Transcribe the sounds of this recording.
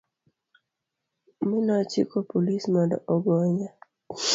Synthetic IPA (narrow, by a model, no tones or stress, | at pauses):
mɪnat͡ʃikopolismadɔʔɔɡɔɲa